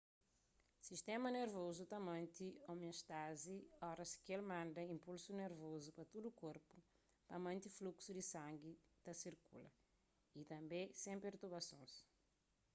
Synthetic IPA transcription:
siʃt̪ɛmɐneɾvozut̪ɐmɐ̃nt̪iomioʃt̪aziɔɾɐskelmãnd̪ɐĩmpulsuneɾvozupɐt̪ud̪ukoɾpu̥ | pɐmɐ̃nt̪ifluksud̪isɐ̃ŋɡit̪ɐsiɾkṵlɐ̰ | it̪ɐ̃mbẽsẽpeɾt̪uɾbɐsõ̰s

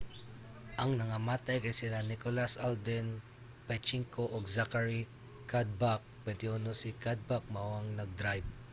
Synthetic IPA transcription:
ʔɐŋnɐŋamaːt̪ajkɐjsɪlanɪkolasald̪ɛn | pɛt͡ʃiŋkoʔoɡzakaɹi | kʰad̪̚bak̚bɛnt̪ɪunosikad̪̚bak̚maaŋnɐɡ̚d̪ɾajb̚

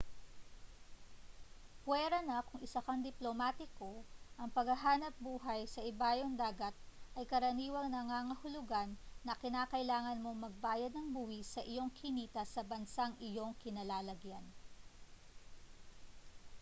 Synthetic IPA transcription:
pwɛːɾɐnɐkʊŋɪsɐkɐŋd̪ɪplomaːt̪ɪko̞ʔɐŋpɐɡɐɦaːnɐp̚buːɦɐjsɐʔɪbaːjoŋd̪aːɡɐt̪̚ʔɐjkɐɾɐniːwɐŋnɐŋaŋɐhʊlʊɡanːɐkɪnaːkɐʔɪlaːŋɐnmo̞ŋmɐɡ̚baːjɐd̪nɐŋbuwisɐʔɪjo̞ŋkʰɪniːt̪ɐsɐbɐnsaŋɪjo̞ŋkɪnɐlaːlɐɡjan

